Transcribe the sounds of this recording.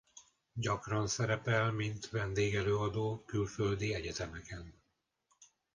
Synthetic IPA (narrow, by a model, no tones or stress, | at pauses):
ɟɒkrɒnsɛɾɛpɛlmint̪vɛnd̪eːɡɛløːɒd̪oːkylføld̪iɛɟɛt̪ɛmɛkɛn